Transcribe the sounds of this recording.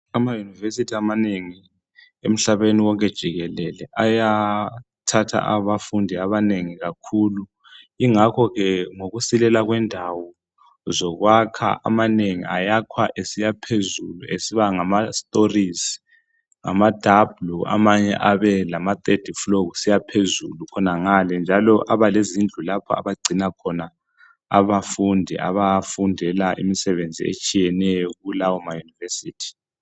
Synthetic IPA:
amajunivesitʰiamaneŋi | em̩ɬaβeniwɔŋk̬ʼɛd̥ʒ̥ʱiɣɛlɛlɛʔaja | tʰatʰa̰ʔaβafundʱiaβaneŋiɣakʰulu | iŋakʰɔɣɛŋoɣusilɛlaɣwɛndʱawɔ | zɔɣwakʰa̰ʔa̰maneŋḭajakʰwaʔesijapʰezuluḛsiβaŋamastʼoriz | ŋa̰mad̥ʱablua̰maɲɛ̰ʔaβɛlamat̪ʼed̥ʱifloɣusijapʰezulukʰɔnaŋalɛnd͡ʒʱalɔʔaβalezind͡ɮʱulapʰɔ̰a̰βaɡ͡ǀʱinakʰɔna | a̰βafundʱɛʔa̰βafundʱɛlaʔimisɛβend͡zʱḭḛt͡ʃʼijɛnɛjɔɣulawɔmajunivesiːtʰi̥

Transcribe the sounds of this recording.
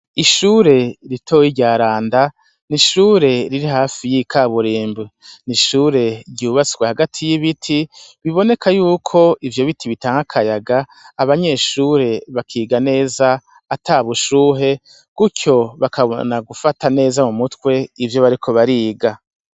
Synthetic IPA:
iʃuːɾe̞ɾitʰo̞ːjiɾɟaːɾaːnda | niʃuːɾe̞ɾiɾiɦaːfijikʰaβuɾiːmbweniʃuːɾe̞ɾɟuːβat͡si̥ɡwehaɡatʰijiβitʰiβiβo̞nekʰajuːkʰo̞ivjo̞βitʰiβitaːŋɡakʰajaɡaː | βaɲe̞ʃuːɾe̞βakʰiːɡane̞ːzaː | tʰaːβuʃuːɦe̞ | kucʰo̞βakaβo̞̰naɡufatane̞ːzamumutkwe̞ivjo̞βaɾikʰo̞βaɾiːɡa

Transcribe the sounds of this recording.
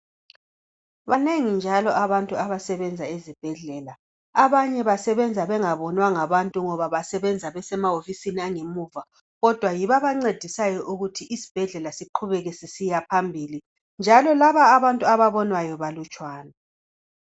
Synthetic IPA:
βaneŋind͡ʒʱalɔʔaβantʼuaβasɛβɛnd͡zʱaezib̥ʱɛɮɛːlaː | βaɲɛβasɛβɛnd͡zʱaβɛŋaβɔnwaŋaβantʼuŋɔβaβasɛβɛnd͡zʱaβɛsɛmaofisiniaŋemuːva | ɣɔd̥ʱwajiβaβaŋ͡ǀed̥ʱisajɔʔuɣutʰiʔisi̥b̥ʱɛɮɛlasiǃʰuβɛɣɛsisijapʰambʱili | nd͡ʒʱalɔlaβaːβantʼuaβaβɔnwajɔβalut͡ʃʼwaːna

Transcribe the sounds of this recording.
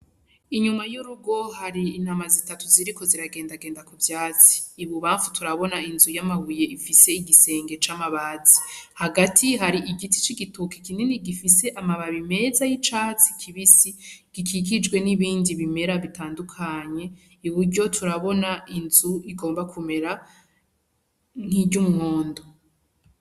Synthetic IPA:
iɲumajuɾuɡo̞ɦaɾiːnhamazitatuziɾiko̞ziɾaɡe̞ːndaɡe̞ːndakubjaːt͡si̥ːβuβaːɱfutuɾaβo̞nainzujamaβuje̞ifise̞iɡise̞ːŋɡe̞t͡ʃamaβazihaɡatʰiɦaɾiʔiɡiti̥t͡ʃiɡituki̥kininiɡifise̞ʔamaβaβime̞zajit͡ʃaːt͡sikʰiβisiɡ̥ikʰik̬id͡ʒɡwe̞niβiːndiβime̞ɾaβitaːndukʰaɲe̞ | iβuɾɟo̞tʰuɾaβo̞nainzuiɡo̞ːmbakʰume̞ɾa | n̥hiɟɟumŋo̞ːndo

